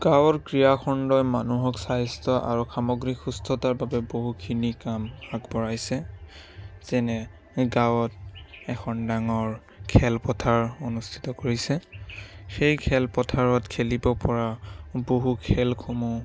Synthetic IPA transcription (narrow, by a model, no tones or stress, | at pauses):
ɡ̥awɔɹkɹijakʰɔndɔjmanuɦɔksajstʰɔʔa̰ɹuxamɔɡɹixustʰɔtaɹbabɛboɦukʰinikamakbɔɹajsɛ | z̥ɛnɛ | ɡawɔtɛxʰɔndaŋɔɹ | kʰɛlpɔtʰaɹonustʰi̥tɔkoɹisɛ | xejkʰɛlpɔtʰaɹɔtkʰelibɔpɔɹaboɦukʰɛlkʰomu